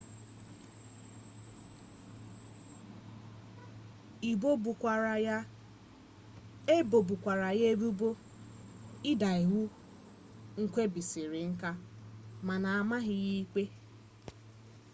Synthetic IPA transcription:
i˨bo˦bu˨kʷa˨˦ | e˦bo˨bu˨kʷa˨ɾa˨je˦bu˦bo˦ | ɪ˦da˨i˨ɦu˦ | ŋ̩˦kʷe˦bi˨si˨ɾɪ˨ŋ̩˦ka˦ma˨na˨a˨ma˦ɦɪ˦ɣi˦i˦k͡pe˦

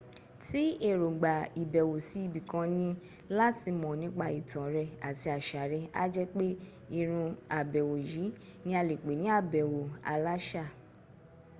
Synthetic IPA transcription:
ti˦e˦˨ɾo˨ɡ͡ba˨i˨bɛ˨wo˨si˨˦i˧bi˨kã˧nĩ˧ | la˦ti˧mɔ̃˨nĩ˨˦k͡pa˧i˨tã˨ɾɛ˧a˨ti˧a˨ʃa˨ɾɛ˧a̰˦d͡ʒɛ˦k͡pe˦ | i˦˨ɾ̃ũ˧a˨bɛ˨wo˨ji˨˦nĩ˦a˧le˨k͡pe˨˦nĩ˨˦a˦˨bɛ˨wo˨a̰˧la˦ʃa˦˨

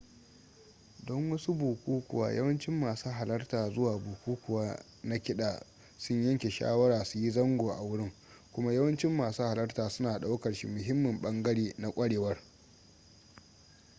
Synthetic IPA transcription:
dɔ˦ŋwɐ˦su˦buː˨kʷuː˦kʷʊ̰˨wa̰ː˨jɐ̰˦wɐ˦nt͡ʃɪ˦mːaː˨saː˦ɦa˨lɐ˦rtaː˨zʊ˦waː˨buː˨kʷuː˦kʷʊ˨waː˦ | na˦kʲɪ˦ɗaː˨ | sʊ˦ɲjɐ˦ŋkʲe˨ʃa̰ː˦wɐ˦ɽaː˨su˨ji˦zɐ˦ŋɡʷoː˨ʔa˨wʊ˦ɽɪ˦ŋ | kʷʊ˦ma˦jɐ˦wɐ˦nt͡ʃɪ˦mːaː˨suː˦ha˨lɐ˦rtaː˨sʊ˦naː˨ɗa˦wkɐ˨ɽʃḭ˦mʊ˨ɦɪ˦mːʊ˨mɓɐ˦ŋɡɐ˦ɽeː˦na˨kʷʼɐ˦ɽeː˨wɐ˦r

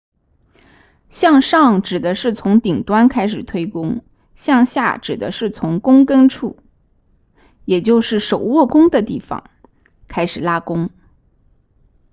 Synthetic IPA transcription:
ɕjɑ˥˧ŋʂɑ˥˩ŋʈ͡ʂɻ̩˨˩d̪ə˦ʂɻ̩˥˩t͡sʰʊ˧˥ŋt̪i˨˩ŋt̪wa˥nkʰa˥ɪʂɻ̩˨˩t̪ʰwe˥ɪkʊ˥ŋ | ɕjɑ˥˧ŋɕja̰˥˩ʈ͡ʂɻ̩˨˩d̪ə˦ʂɻ̩˥˩t͡sʰʊ˧˥ŋkʊ˥ŋkə˥nʈ͡ʂʰu˥˩ | jɛ˨˩t͡ɕjo˥˧ʊʂɻ̩˥˩ʂo˨˩ʊwɔ˥˩kʊ˥ŋd̪ə˨t̪i˥˩fɑ̰˧˩ŋ | kʰa˥ɪʂɻ̩˨˩la˥kʊ˥ŋ

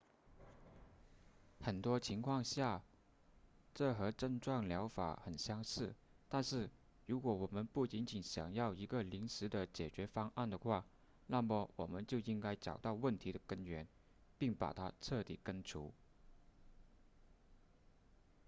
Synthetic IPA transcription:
xə˨˩nt̪wɔ˥t͡ɕʰi˧˥ŋkʰwɑ˥˧ŋɕja˥˩ | ʈ͡ʂɤ˥˩xɤ˧˥ʈ͡ʂə˥˧ŋʈ͡ʂwɑ˥˩ŋljɑ˧˥ʊfa̰˨˩˦xə˨˩nɕjɑ˥ŋʂɻ̩˥˩ | t̪a˥˧nʂɻ̩˥˩ | ɻu˧˥kwɔ˧˥wɔ˨˩mə˧˦npu˥˩t͡ɕi˧˥nt͡ɕi˨˩nɕjɑ̰˨˩ŋjɑ˥˩ʊi˧˥ɡə˧li˧˥ŋʂɻ̩˧˥d̪ə˨t͡ɕjɛ˨˩t͡ɕɥɛ˧˥fɑ˥ŋʔa˥˩nd̪ə˩xwa˥˩ | na˥˩mə˩wʔɔ̰˨˩mə˦nt͡ɕjo˥˩ʊi˥ŋka˥ɪʈ͡ʂɑ̰˨˩ʊt̪ɑ˥˧ʊwə˥˩nt̪ʰi˧˥d̪ə˨kə˥nɥɛ˧˥n | pi˥˩ŋpa̰˨˩t̪ʰa̰˥ʈ͡ʂʰɤ˥˩t̪ḭ˨˩kə˥nʈ͡ʂʰṵ˧˥

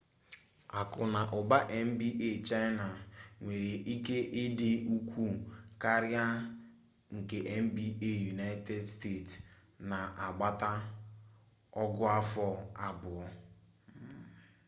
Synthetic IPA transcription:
a˨kʊ˨na˨ʔʊ˨ba˦ʔe˦m̩˦bi˦ʔe˦˨t͡ʃa˦ɪ˦na˨ŋʷe˨ɾe˨ʔi˦ke˦ʔɪ˦dɪ˦u˦kʷu˦ka˦ɾja˦ | ŋ̩˨ke˨ʔe˦m̩˦bi˦e˦˨ju˨na˦ɪ˦te˦dste˦˨t | na˨ʔa˨ɡ͡ba˦ta˦ | ɔ˦ɡʊ˦a˦fɔ˦a˦bʊ˨ɔ˦

